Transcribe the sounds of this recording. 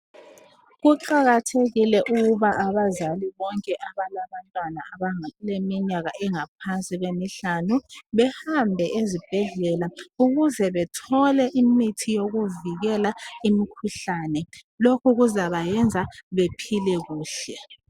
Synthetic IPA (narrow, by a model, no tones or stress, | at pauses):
ɣuǃaɣatʰeɣilɛʔuɣuβaʔaβazaliβɔŋkʼɛʔaβalaβantʼwanaaβaŋlemiɲaɣaɛŋap̚ʰansʼiɣwemiɬanuβɛhambʱɛʔezib̥ʱɛɮɛlauɣuzɛβɛtʰɔlɛʔimitʰijoɣuviɣɛlaimikʰuɬanɛ | lokʰuɣuzaβajɛnd͡zʱaβepʰilɛɣuːɬɛ